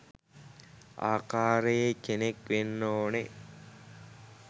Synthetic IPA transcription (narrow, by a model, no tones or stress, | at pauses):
a̰ːkaːɾəjekenekʋenːoːne